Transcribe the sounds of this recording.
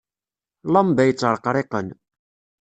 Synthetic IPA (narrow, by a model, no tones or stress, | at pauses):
lɑmbæjət͡sːəɾˤqɾˤeqən